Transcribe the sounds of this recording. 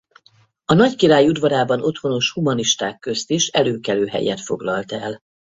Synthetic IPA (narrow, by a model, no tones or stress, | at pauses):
ɒnɒckiɾaːjud̪vɒɾaːbɒnʔo̞t̪ho̞no̞ʃhumɒniʃt̪aːkːø̞st̪iʃɛløːkɛløːɦɛ̰jɛt̪fo̞ɡlɒlt̪ɛ̰l